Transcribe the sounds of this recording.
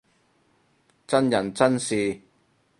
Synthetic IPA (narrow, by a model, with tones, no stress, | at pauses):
t͡sɐ˥njɐ˨˩nt͡sɐ˥nsiː˨˧